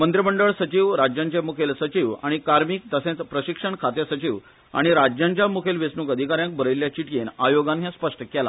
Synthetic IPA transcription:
mənt̪ɾəməɳɖəɭsət͡ɕiʋɾad͡ʑjãɲt͡ɕamukʰelsət͡ɕiʋa̰ɽ̃ikaɾmiːk̚t̪əsẽt͡s̪pɾəɕikʂəɳkʰat̪jasət͡ɕiʋ | a̰ɽ̃iɾad͡ʑjãɲt͡ɕjamukʰelʋesnuːkəd̪ʱikaɾjãŋk̚bʱəɾəjlːjat͡ɕiʈkenajoɡãnɦjãspəʂʈəkɛla̰

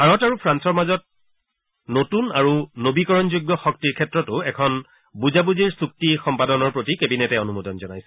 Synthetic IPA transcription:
aɹɔtaɹupʰɹansɔɹmazɔt̚ | notunaɹunobikɔɹɔnzoɡːɔxɔktiɹkʰɛtɹɔtʊɛkʰɔn | buzabuziɹsuk̚tixɔmpadɔnɔɹpɹotikebinɛtɛɔnumodɔnzɔna̰jsɛ̥

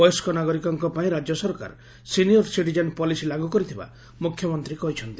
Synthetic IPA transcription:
ɔjɔskɔnaɡɔɾikɔŋkɔpaĩɾad͡ʒjɔsɔɾka̰ɾ | sinijɔɾsiʈ̬id͡ʒanpɔlisilaɡukɔɾit̪ʰiba̰ | mukʰːjɔmɔnt̪ɾikɔɦit͡ʃʰɔnt̪i̥

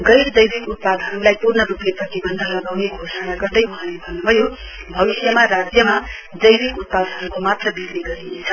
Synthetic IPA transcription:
ɡʌjrd͡zʌjbikut̪̚pad̪ʱʌɾulajpurnʌrupjeprʌt̪ibʌnd̪ʱʌnʌɡawneɡʱosʌnaɡʌrd̪ʌjuɦãlebʱʌnubʱʌjo | bʱʌβisjʌmarad͡zjʌma | d͡zʌjɾikut̪̚pad̪ʱʌɾukomat̪rʌbikɾiɡʌɾinet͡sʰʌ

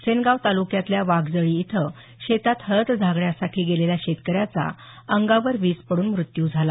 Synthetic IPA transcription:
senɡaʋt̪alukjãt̪ljaʋaɡd͡zəɭiːt̪ʰə | ɕet̪at̪həɾət̪d͡zʱaɡɭjasaʈʰiːɡeleljaɕet̪kəɾjat͡sa̰ | əŋɡaʋəɾʋiːspəɽuːnmɾut̪juːd͡zʱala

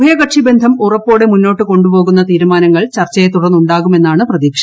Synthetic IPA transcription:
ɐjɐkɐʈʂibe̞nd̪ʱɐmurɐpːo̞ːɽe̞munːo̞ːʈːɨko̞ɳɖupo̞ːɣunːɐt̪iːɾumaːnɐŋːɐɭt͡ɕɐrt͡ɕːɐjet̪uɽɐnːuɳɖaːɣume̞nːaːɳɨprɐðiːkʂɐ

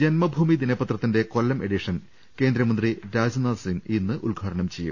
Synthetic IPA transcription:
d͡ʑenmɐbʱuːmid̪inɐbɐt̪rɐt̪ːinde̞ko̞lːɐme̞ɽiʂɐn | ke̞ːnd̪ɾɐmɐnd̪riɾaːd͡ʑnaːsiminːɨʔulɡʱaːʈɐɳɐmt͡ɕe̞jːṵm

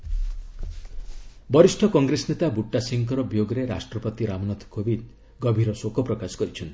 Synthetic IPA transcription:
bɔɾisʈʰɔkɔŋɡɾesnet̪abuʈːasiŋkɔɾɔbjoɡɔɾeɾa̰sʈɾɔpɔt̪iɾamɔnɔt̪ʰkobid̪ | ɡɔbʱiɾɔsokɔpɾɔkasɔ̥kɔɾit͡ʃʰɔnt̪i̥

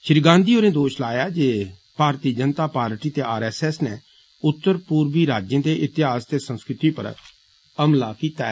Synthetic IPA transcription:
ʃɪɾɡãːnd̪iːoːɾẽːd̪oːʃlaːjaːd͡ʒeː | paːɾt̪iːd͡ʒənt̪aːpaːɾʈiːt̪eːaːɾɛːsɛːsnɛː | ʊt̪ːəɾpuːɾʋiːɾaːd͡ʒjẽːd̪eːʔɪt̪ɪɦaːst̪eːsə̃nskɾɪt̪iːpə̰ɾ | əmlaːkiːt̪ɛ̰ː

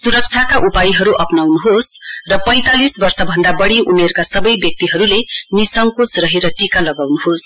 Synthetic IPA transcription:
suɾʌk̚t͡sʰakaʔupajiɦʌɾuʔʌpnawnuɦosrʌpʌj̃t̪alisbʌrsʌbʱʌnd̪abʌɽiumerkasʌbʌjbjʌk̚t̪iɦʌɾulenisʌŋkot͡srʌɦeɾʌʈikalʌɡawnuɦos

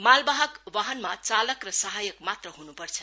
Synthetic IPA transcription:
malbaɦʌkwaɦʌnmat͡salʌkrʌsʌɦajʌkmat̪rʌɦunupʌrt͡sʰʌ

